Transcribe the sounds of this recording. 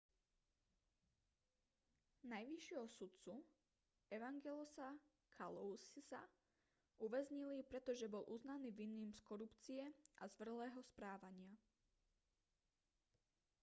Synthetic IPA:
najʋiʃɪɛɦɔsut̪t͡su | ɛʋaŋɡɛlɔsa | kʰalɔusisa | uʋɛzɲilipɾɛt̪ɔʒɛbɔlʔuznaniːʋinːimskɔɾupt͡siɛʔa̰zʋr̩lɛːɦɔspɾaːʋaɲɪa

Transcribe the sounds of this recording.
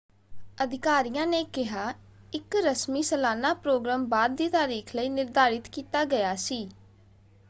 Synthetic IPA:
əd̪ɪkaːɾijãːneːkɪɦaː | ɪkɾəsmiːsəlaːnaːpɾoːɡɾaːmbaːd̪̚ːiːt̪aːɾiːkʰləiːnɪɾd̪aːɾɪt̪kiːt̪aːɡəjaːsiː

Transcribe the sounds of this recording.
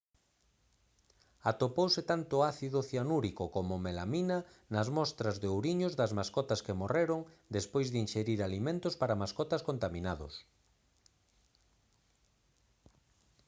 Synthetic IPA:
at̪opowsɪt̪ant̪ʊaθiðʊθjanuɾikokomʊmela̰minɐ | nɐzmɔst̪ɾɐzðeowɾiɲʊzðɐzmaskɔt̪ɐskemoreɾʊŋd̪espojzðɪinʃeɾiɾalimẽnt̪ʊspaɾamaskɔt̪ɐskont̪aminaðʊ̰s

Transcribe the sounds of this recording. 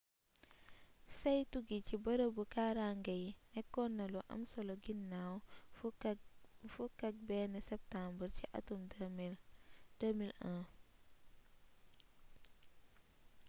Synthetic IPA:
sɐjtuɡicibɐɾəbəkaɾaŋɡɐjnɛkːɔnːɐluʔɐ̰msɔlɔɡinːaw | fukɐk̚bɛnɛsɛp̚tambəɾciʔɐ̰tum | d̥əmilã

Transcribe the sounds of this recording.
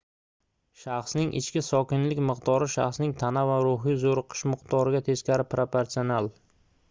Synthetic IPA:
ʃaχsnɪŋʔɪ̰t͡ʃkʲɪsɒkʲɪnlɪkʲmɨqt̪ɒɾɪʃa̰χsnɪŋt̪ʰanavaɾʊɦijzoɾqʰɨ̥ʃmɨqt̪ɒɾɪɡʲat̪ʰe̞skʲaɾɪpʰɾopeɾt̪ionalˠ

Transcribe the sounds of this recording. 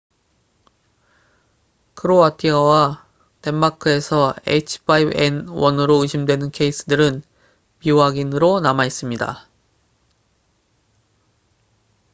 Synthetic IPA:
kʰɯɾoatʰiʌwa | te̞mːakʰɯe̞sʰʌḛit͡ɕʰpʰaibenwʌnɯɾoɯɕʰimdwe̞nɯnkʰe̞is͈ʰɯdɯɾɯn | piwaɡinɯɾonamais͈ɯmɲida̰

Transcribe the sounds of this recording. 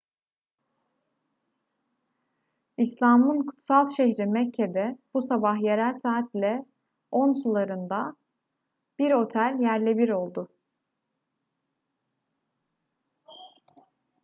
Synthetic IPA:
islʲaːmɯnkʰu̥t̪salˠʃeɦɾimɛcʰːed̪ɛb̥usabahje̞ɾælʲsaːt̪lʲɛ | o̞nsulˠaɾɯnd̪a | b̥iɾo̞t̪ʰælʲjæɾlʲebiɾo̞lˠd̪ʊ

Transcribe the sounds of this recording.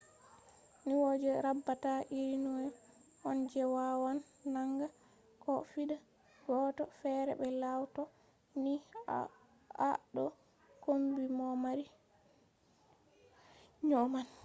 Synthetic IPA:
niwɔd͡ʒɛɾabːataʔiɾinɔjɔ | ʔɔnd͡ʒɛwawanː | aŋɡa | kɔfiɗa | ɡɔtɔfɛɾɛ̰bɛlawtɔ | ni | a̰ɗɔ | kombimɔmaɾi | ɲɔman

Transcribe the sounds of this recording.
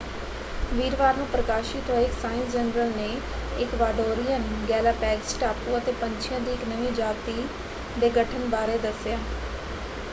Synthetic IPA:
ʋiːɾʋaːɾnũːpɾəkaːʃɪt̪ɦəeɪksaːɪ̃nsd͡ʒənɾəlneː | ɪkʋaːɖoːɾijənɡɛːlaːpɛːksʈaːpũːət̪eːpəɲt͡ʃʰijãːd̪iːɪknəʋĩːd͡ʒaːt̪iː | d̪eːɡəʈʰənbaːɾeːd̪əsɪjaː

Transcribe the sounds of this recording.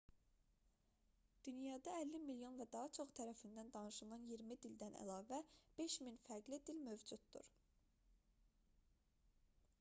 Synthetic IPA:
d̪̥ynjɑːd̪ɑælːimiljo̞nvæd̪ɑɦɑt͡ʃʰo̞χt̪ʰæɾæfind̪ænd̪ɑnɯʃɯlnɑnjiɾmid̪ild̪ænæ̰lɑːvæb̥e̞ʃminfæɾɡlid̪ilmø̞vd͡ʒud̪̚d̪ṵɾ

